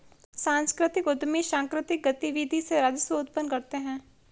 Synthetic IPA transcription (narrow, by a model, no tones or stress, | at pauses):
sãːnskɾɪt̪ɪkʊd̪miʃãːŋkɾɪt̪ɪk̚ɡət̪iʋiːd̪ʱiseɾɐd͡ʒ̪soʊt̪pənkɐɾt̪eɦɛ̃ː